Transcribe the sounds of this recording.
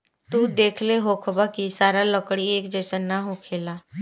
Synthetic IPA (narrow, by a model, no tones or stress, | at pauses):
t̪ud̪eːkʰleɦoːkʰbakisaːɾaləkɽieːkd͡ʒɛːsanaɦokʰeːlaː